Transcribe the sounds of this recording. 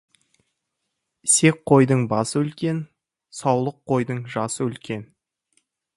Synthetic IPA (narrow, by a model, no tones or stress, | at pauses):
se̞k̚qʰːo̞jd̪əɴbɑsəwɵlkʲe̞n | sɑwlˠəqʰːo̞jd̪əɴʒɑsəwɵlkʲe̞n